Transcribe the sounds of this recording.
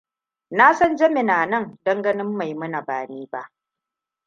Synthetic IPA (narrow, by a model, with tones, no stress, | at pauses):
na˦sɔ˦nd͡ʒɐ˦mɪ˨naː˨nɐ˦˨ŋdɐ˦ŋɡɐ˦nɪ˦mːa˨jmʊ˦na˨baː˨neː˦ba˦ʔ